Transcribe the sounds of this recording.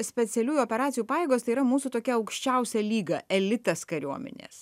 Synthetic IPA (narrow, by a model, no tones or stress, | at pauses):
sʲpʲɛt̪sʲɛlʲuːjuopʲɛɾɑːsʲɪjuːpɑːjeːɡoːst̪ɐɪiːɾɐmuːsuːt̪oːkʲɛɐʊkʃʲt͡ʃʲɛʊsʲɛlʲiːɡɐɛlʲɪt̪ɐskɐɾʲuɔmʲɛ̰nʲḛːs